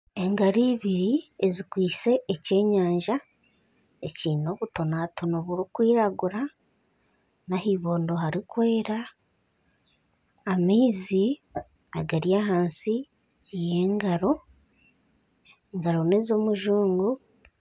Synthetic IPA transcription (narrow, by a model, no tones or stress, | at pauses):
e̞ŋɡaɾiːβiɾiezikwiːse̞ʔːce̞ːɲaːɲʒa | ecino̞βuto̞natʰonoβuɾukwiːɾaɡuɾa | naɦiːβoːndo̞ɦaɾikwe̞ːɾa | miːzi | aɡaɾjaɦaːnsi | eje̞ːŋɡaɾo̞ | eŋɡaɾo̞ne̞ːzo̞ːmuʒuːŋɡu